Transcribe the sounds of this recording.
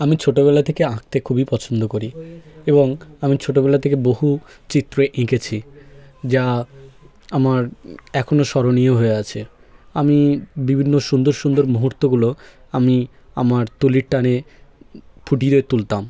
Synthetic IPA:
amit͡ɕʰoʈobɛlat̪ʰekeãk̚t̪ekʰubipɔt͡ɕʰond̪okoɾieboŋamit͡ɕʰoʈobɛlat̪ʰekeboɦu | t͡ɕit̪ːɾoeʔĩket͡ɕʰid͡ʑa | amaɾɛkʰonoʃɔɾonioɦoeat͡ɕʰe | amibibʱinːoʃund̪oɾʃund̪oɾmuɦuɾt̪oɡulo | ami | a̰maɾt̪uliɾʈane | pʰuʈ̬iɾoet̪ult̪am

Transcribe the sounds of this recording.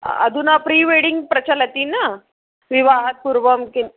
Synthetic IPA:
ə̰d̪ʱunapɾiːʋeɽiŋɡ̚pɾət͡ɕələt̪iːna | ʋiʋaɦət̪̚puɾʋəmkin

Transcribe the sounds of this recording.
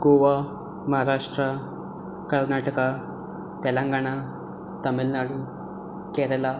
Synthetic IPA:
ɡoʋa | mɐɦaɾaʂʈɾa | kəɾnaʈəka | t̪elãŋɡaɽ̃a | t̪ɐmilnaɽu | keɾela

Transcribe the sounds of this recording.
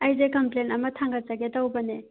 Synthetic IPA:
ajzekɐmplenɐmɐtʰaŋɡɐt͡ʃɐɡetawbɐne

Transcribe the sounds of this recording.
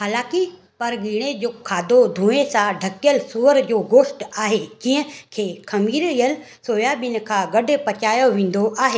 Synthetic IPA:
haːlãːki | pɐɾɡiːɽ̃ed͡ʑoːkʰaːd̪od̪ʱuːesãɖʱɐkjəlsuːʋəɾd͡ʑoːɡoːʃʈaːɦed͡ʑĩɦə̃kʰeːkʰɐmiːɾijəl | soːjaːɓɪnɪ̆kʰãːɡɐɖʊ̆pɐt͡ɕaːjoʋẽːn̆d̪oʔaːɦeː

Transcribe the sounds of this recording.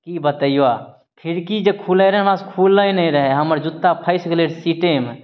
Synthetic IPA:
kibət̪əia | pʰɪɾkid͡ʒekʰuləjɾɦɛmaskʰulːəjnəĩɾəɦeɦəməɾd͡ʒut̪ːapʰəɪskeleːɽsiʈem

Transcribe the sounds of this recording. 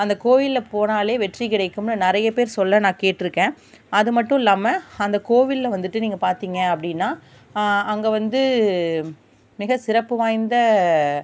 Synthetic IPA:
ɐnd̪ɐkoːʋɪlːpoːnaːleːʋɛʈrikɪɽɐɪkːɯmnɯnɪɾɐjɐpeːɾsɔlːɐnãːkeːʈːɪɾɯkːẽː | ɐðɯmɐʈːʊ̃laːmɐɐnd̪ɐkoːʋɪlːɐʋɐnd̪ɯʈːɯniːŋɡɐpaːɾt̪iːŋɡɐɐpːɐɽɪnːaː | ɐŋɡɐʋɐnd̪ɯ | mɪɣɐsɪɾɐpːɯʋaːjnd̪ɐ

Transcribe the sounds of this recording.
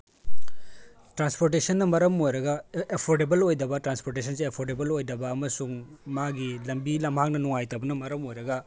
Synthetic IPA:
tɾanspoɾt̬esɐnːɐmɐɾɐmojɾɐɡɐepʰoɾdebɐlojdɐbɐtɾanspoɾtesʰɐnsiepʰoɾdebɐlojdɐbɐːmɐsuŋmaɡilɐmbilɐmɦak̚nɐnuŋajtɐwbɐnɐmɐɾɐmojɾɐɡɐ

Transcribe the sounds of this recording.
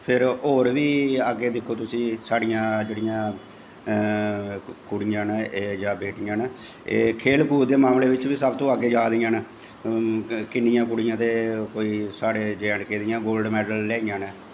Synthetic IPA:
pʰɪɾoːɾʋiːəɡːeːd̪ɪkʰːoːt̪ʊsĩːsaːɽɪjãːd͡ʒeːɽɪjãː | kʊɽɪjãːned͡ʒaːbeːʈɪjãːn | eːkʰeːlkuːɾd̪eːmaːmleːʋɪt͡ʃʋiːsəbt̪õːəɡeːd͡ʒaːd̪ijãːn | kɪnːɪjãːkʊɽɪjãːt̪eːkoːiːsaːɽeːd͡ʒɛːɳɖkeːd̪ɪjãːɡoːlɖmɛːɖəlːɛːijãːnɛː

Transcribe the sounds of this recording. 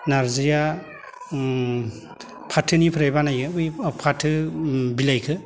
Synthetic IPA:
naɾzɯja | pʰatʰːɯnipʰɯɾajbanajɡʰɯɯjpʰatʰːɯbilajkʰɯ

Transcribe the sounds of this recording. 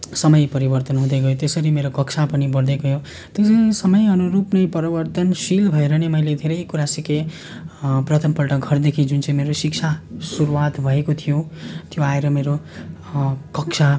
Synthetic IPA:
sʌmʌjpʌɾibʌrt̪ʌnɦũd̪eɡʌjot̪esʌɾimeɾokʌksʰapʌnibʌɽd̪ekoɦjo | t̪jot͡sʌ̃ĩsʌmʌjʌnuɾupnejpʌɾibʌrt̪ʌnsilbʱʌeɾʌnemʌjled̪ʱeɾʌjkuɾasike | prʌt̪ʰʌmpʌlʈʌɡʱʌrd̪ekʰid͡zunt͡sʌĩmeɾosik̚t͡sʰasuɾuwat̪bʱʌekot̪ʰijot̪joaeɾʌmeɾo | kʌksʰa

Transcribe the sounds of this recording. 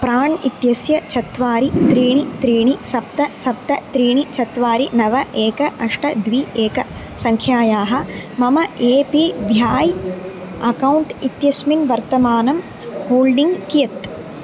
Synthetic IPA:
pɾaːɳit̪jɐsjɐt͡ʃʰɐt̪ʋaːɾit̪ɾiːɳit̪ɾiːɳisɐp̚t̪ɐsɐp̚t̪ɐt̪ɾiːɳit͡ʃʰɐt̪ʋaːɾinɐʋɐʔeːkɐʔɐʂʈɐd̪ʋiːeːkɐ | sɐŋkʰjaːjaːɦɐ̆mɐmɐeːpibʱjaːj | ɐkɐwɳʈit̪jɐsminʋɐɾt̪ɐmaːnɐm | hoːlɖiŋɡkijɐt̪

